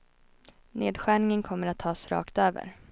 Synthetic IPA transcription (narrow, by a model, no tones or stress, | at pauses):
neːd̪ɧæːɳɪŋənkʰɔmːəɾat̪ʰːɑːsɾɑ̰ːkt̪øːvə̰ɾ